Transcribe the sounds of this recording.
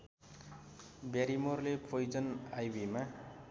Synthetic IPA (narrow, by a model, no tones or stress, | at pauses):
bjaɾimorlepʰojd͡zʌnajbima